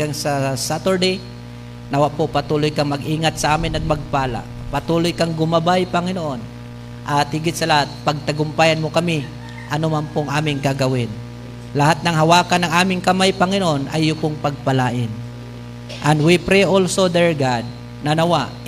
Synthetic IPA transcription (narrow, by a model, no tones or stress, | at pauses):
aŋsɐsat̪ɛɹd̪ej | nɐwaʔpopɐt̪uːlojkɐŋmɐɡʔiːŋat̪̚sɐʔaːmɪnɐt̪̚mɐɡ̚paːla̰ʔpɐt̪uːlojkɐŋɡʊmɐbajpɐŋɪnoʔo̞n | ʔɐt̪̚hɪɡɪt̪̚sɐlɐhat̪̚pɐɡ̚t̪ɐɡʊmpaːjanmokɐmɪ | ʔɐnomanpoɐŋʔaːmɪŋkaɡɐwɪn | lɐɦat̪̚nɐŋɦɐwaːkanːɐŋʔaːmɪŋkɐmajpɐŋɪnoʔonʔɐ̰jːʊpoŋpɐɡ̚pɐlaːʔɪn | ʔɐnwipɾɛʔolsod̪ɛɹɡad̪̚ | nɐnɐwaʔ